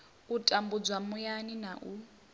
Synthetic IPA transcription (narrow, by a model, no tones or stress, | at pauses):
utʼambud͡zwamujaninaʔu